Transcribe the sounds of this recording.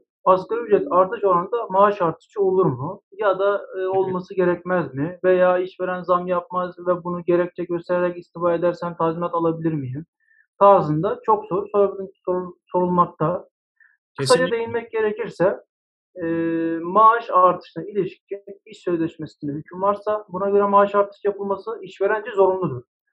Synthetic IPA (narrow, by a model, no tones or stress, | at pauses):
baskaɾiyd͡ʒɛt̪ʰaɾt̪ʰɯʃo̞ɾand̪amaːʃaɾt̪ʰɯ̥ʃt͡ʃɯo̞lˠuɾmujad̪aːo̞lˠmasɯɟe̞ɾɛcmæzmɪvejaːiʃve̞ɾænzamjap̚mazvɛbunuɟe̞ɾɛc̚t͡ʃʰɛɟøst̪ʰeɾeɾɛcist̪ʰifaːe̞d̪æɾsænt̪ʰazmɛt̪alˠabilʲiɾmijim | t̪ʰaːzɯnd̪at͡ʃʰo̞kzoɾusoɾbilʲisoɾso̞ɾulˠmak̚t̪ʰa | kʰɯsad͡ʒad̪e̞jinmɛc̚ɟe̞ɾecʰiɾsɛː | maːʃaɾt̪ʰɯ̥ʃnɯilʲiʃi̥cːiniʃsø̞zlʲɛʃmesind̪ɛɦycʰynvaɾsabunaɡøɾɛmaʃaɾt̪ʰɯ̥ʃjapʰɯlˠmasɯiʃve̞ɾænd͡ʒɛzo̞ɾunlˠud̪uɾ̥